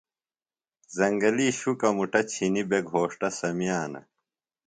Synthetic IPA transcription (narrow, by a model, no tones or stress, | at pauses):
zɐŋɡɐliːɕukɐmuʈɐt͡ɕʰinibeɡʱɦoːʂʈɐsɐmijaːnɐ̰